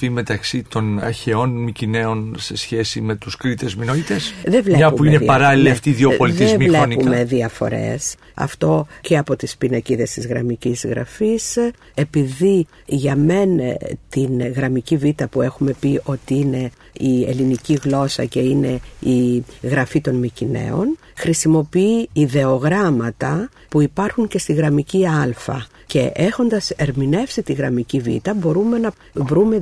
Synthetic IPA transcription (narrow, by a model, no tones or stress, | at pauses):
ime̞t̪ɐksit̪o̞nɐ̰ɾçe̞o̞nmicine̞o̞nse̞sçe̞sḭme̞t̪uskɾit̪e̞zminoit̪esðevleɐuuinepɐɾɐliliɐft̪iðiopo̞litðiezmileniume̞ðiɐfo̞̰ɾe̞̰s | ɐ̰ft̪o̞ceɐpo̞t̪ispinɐciðe̞st̪izɣɾɐ̰micizɣɾɐ̰fis | e̞piði | ʝɐme̞nt̪inɣɾɐmicivit̪ɐpue̞xume̞pio̞t̪iine̞ | iḛliniciɣlo̞sɐce̞ine̞iɣɾɐfit̪o̞nmicine̞̰o̞̰n | xɾisimo̞piiːðe̞o̞ɣɾɐmɐt̪ɐ | puipɐɾxuŋce̞st̪iɣɾɐmiciɐlfɐ̰ | ce̞̰ʔe̞xo̞nd̪ɐse̞ɾmine̞fsit̪iɣɾɐmicivḭt̪ɐbo̞ɾume̞nɐ | vɾume̞